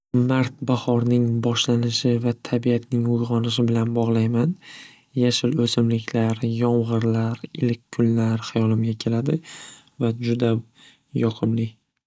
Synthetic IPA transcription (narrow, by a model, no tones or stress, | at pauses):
maɾt̪̚bahɒɾnɪŋbɒʃlanɪʃɪvat̪ʰabiat̪nɪŋʊjʁɒnɪʃ̬ɪbɪlanbɒʁlˠajman | jaʃɪlɵsɪmlɪkʲʰlaɾjɒmʁɨɾlaɾɪlɪkʲkʰːʊnlaɾχajɒlɪmɡʲakʲʰe̞lad̪ɪ | vad͡ʒʊd̪a | jɒqʰɨmlɪ